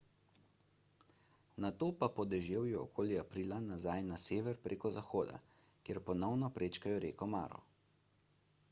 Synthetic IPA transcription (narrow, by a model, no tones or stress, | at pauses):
nat̪oːpapɔd̪ɛʒewjɛɔ̰kʰoːljiapɾiːlanazajnaseːʋɛɾpɾʔeːkɔzaxoːd̪a̰ | kjeɾpɔnɔwnɔpɾʔeːt͡ʃkajɔɾeːkɔma̰ːɾɔ̰